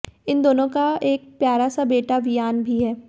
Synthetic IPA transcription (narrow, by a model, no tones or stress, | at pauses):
ɪnd̪oːnõkaeːk̚pjaːɾasabeːʈaʋɪjaːnbʱiɦɛː